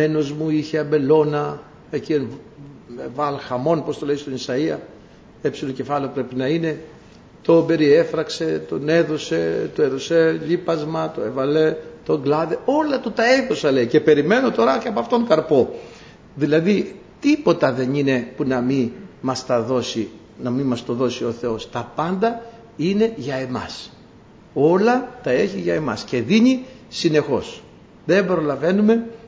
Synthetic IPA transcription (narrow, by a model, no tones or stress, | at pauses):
meno̞zmuiçe̞ɐmbe̞lo̞nɐ | e̞cien | evɐlxɐmo̞npo̞st̪oleist̪onisɐiɐ | e̞psiloce̞fɐleopɾe̞pinɐine̞ | t̪o̞be̞ɾie̞fɾɐkse̞t̪o̞ne̞ðo̞se̞t̪oeðo̞se̞ʎipɐzmɐt̪o̞evɐle̞t̪o̞ɡlɐðeo̞lɐt̪ut̪ɐe̞ðo̞sɐle̞ice̞pe̞ɾime̞no̞t̪o̞ɾɐceɐpoɐft̪o̞ŋkɐɾpo̞ | ðilɐði | t̪ipo̞t̪ɐðe̞nine̞punɐmimɐst̪ɐðo̞si | nɐmimɐst̪o̞ðo̞sio̞θe̞o̞st̪ɐpɐnd̪ɐ | ine̞ʝɐe̞mɐs | o̞lɐt̪ɐe̞çiʝɐe̞mɐ̰sce̞ðiɲisine̞xo̞s | ðe̞mbɾolɐve̞nume̞